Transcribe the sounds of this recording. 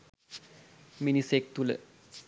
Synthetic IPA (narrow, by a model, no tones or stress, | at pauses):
minisek̚t̪ulə̰